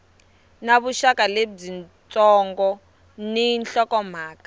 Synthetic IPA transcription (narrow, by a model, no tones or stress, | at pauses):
naβuʃakaleb͡ʐin | t͡sʼɔŋɡɔ | ninɬɔkɔm̤aːkḁ